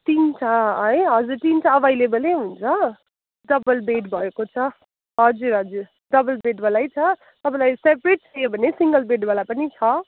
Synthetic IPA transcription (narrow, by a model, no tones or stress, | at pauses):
t̪int͡sʰaʌʌjɦʌd͡zuɾʈ̪int͡sʰaːbajlebʌleɦunt͡sʰʌ | ɖʌbʌlbeʈbʱʌekot͡sʰʌ | ɦʌd͡zuɾɦʌd͡zuɾ | ɖʌbʌlbeʈbʌlajt͡sʰʌ | t̪ʌpãlajsepɾeʈ̚sʰʌjobʱʌnesiŋɡʌlbeʈbalapʌnit͡sʰʌ